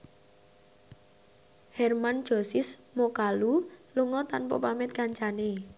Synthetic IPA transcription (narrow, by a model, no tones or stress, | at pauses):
hɛrman̥ʒ̥o̤sɪsmokaluluŋɔt̪anpɔ̰pamɪt̪̚kaɲt͡ʃane